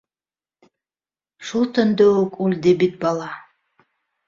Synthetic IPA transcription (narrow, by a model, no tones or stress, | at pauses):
ʃulˠt̪ønd̪øokulʲd̪ebit̪̚bɑlˠɑ